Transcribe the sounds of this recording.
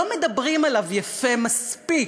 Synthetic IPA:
omed̪ɐbʁimalavjafemaspi

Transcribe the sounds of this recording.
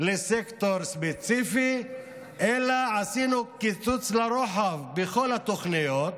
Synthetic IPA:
lesekt̪oɾspet͡sifi | ʔelaʕasinukit͡sut͡slaɾoħavbeχo̞lhat̪oχnijot̪

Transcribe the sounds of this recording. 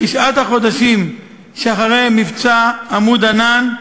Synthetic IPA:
iʃat̪haχo̞d̪aʃim | ʃeaχaʁejmivt͡saːmud̪anan

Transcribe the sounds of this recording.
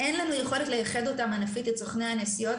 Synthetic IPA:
ʔe̞nlanuje̞χo̞let̪lejaχe̞d̪o̞tamanafitesoχneanesijo̞t

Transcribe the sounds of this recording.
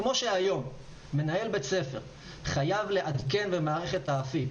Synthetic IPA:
mo̞ʃeajo̞mː | e̞nae̞lbe̞t͡se̞fe̞ʁ | χajavle̞ʔad̪ke̞nbemaːʁe̞χe̞t̪aafi

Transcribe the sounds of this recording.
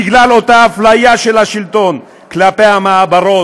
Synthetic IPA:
iɡlalo̞t̪aaflajaʃelhaʃilt̪o̞n | klapehamaabaɾo̞

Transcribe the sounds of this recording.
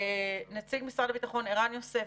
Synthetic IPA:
nat͡siɡmisʁadabitaχo̞neʁanjose

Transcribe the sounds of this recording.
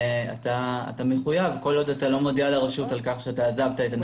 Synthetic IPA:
a̰ta̰ːtameχujavko̞lo̞datalo̞modialaʁaʃutalkaχʃeataːzavtaetan

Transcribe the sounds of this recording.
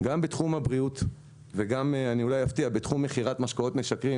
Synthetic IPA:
ɡambet̪χumhabʁiut̪ | veɡameaniulajaft̪iabet̪χumːeχiʁatmaʃkao̞t̪meʃakʁi

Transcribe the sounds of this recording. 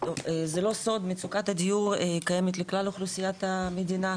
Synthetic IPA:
tovezelo̞so̞d̪met͡sukat̪had̪ijuʁkajemet̪leklaloχlusijat̪amed̪ina

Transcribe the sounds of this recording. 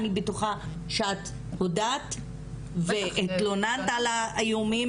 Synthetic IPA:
nibetoχa | ʃat | hodat̪ | veʔːt̪lonant̪alaːjumim

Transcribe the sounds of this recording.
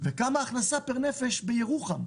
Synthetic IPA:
vekamaːχnasapeʁnefe̞ʃbejeʁuχam

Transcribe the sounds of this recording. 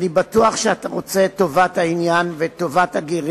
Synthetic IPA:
nibatuaχʃeataʁo̞t͡se̞to̞vathainjanveto̞vathaɡiʁ

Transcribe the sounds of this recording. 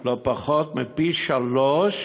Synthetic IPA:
lopaχot̪mipiʃaloʃ

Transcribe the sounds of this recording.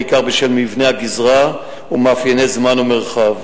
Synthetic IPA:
ikaʁbeʃelmivneaɡizʁa | umaːfjenezmanomeʁχav

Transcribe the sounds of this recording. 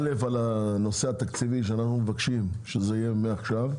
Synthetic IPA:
lefalano̞seat̪akt͡siviʃ̬eanaχnumevakʃimʃezeijemeaχʃav

